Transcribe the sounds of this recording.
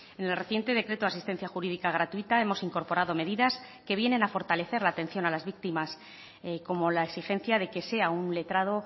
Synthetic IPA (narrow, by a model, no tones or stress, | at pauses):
ene̞lre̞θje̞nt̪e̞ð̞e̞kɾe̞t̪oasist̪e̞n̟θjaxuɾiðikaɣ̞ɾat̪uit̪ae̞mo̞siŋko̞ɾpo̞ɾaðo̞me̞ðiðas | ke̞β̞je̞ne̞nafo̞ɾt̪ale̞θe̞ɾlaːt̪e̞n̟θjo̞nalazβik̚t̪imas | ko̞mo̞laeksixe̞n̟θjaðe̞ke̞se̞aunle̞t̪ɾað̞o̞